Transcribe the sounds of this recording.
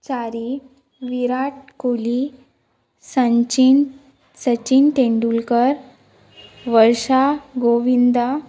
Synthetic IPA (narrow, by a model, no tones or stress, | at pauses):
t͡saɾi | ʋiɾaʈ̚koli | sət͡ɕi | sət͡ɕinʈ̪eɳɖulkəɾ | ʋəɾʂaɡoʋind̪a